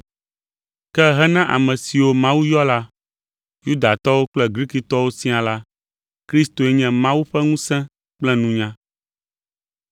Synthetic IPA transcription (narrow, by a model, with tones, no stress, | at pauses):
kɛ˦ɦɛ˦nã˦ʔa̰˨mɛ̃˨si˨wo˦mã˦wu˦jɔ˦la˦ | ju˦d̪a˨t̪ɔ˦wo˦k͡plɛ˦ɡɾi˦ki˨t̪ɔ˦wo˦sĩ˦a˨la˦ | kɾi˦st̪o˨ɛ˦ɲɛ̃˨mã˦wu˦ɸɛ˦ŋũ˦sɛ̃˦ | k͡plɛ˦nũ˦ɲã˦